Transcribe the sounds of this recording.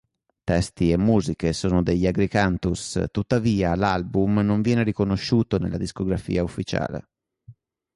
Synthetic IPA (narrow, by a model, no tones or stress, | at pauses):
t̪ɛst̪iemːuːzikesoːnod̪eʎːaɡɾikant̪ust̪ut̪ːaviːalalbumnoɱvjɛːneɾikonoʃːuːt̪onḛlad̪iskoɡɾafḭːaufːit͡ʃa̰ːlḛ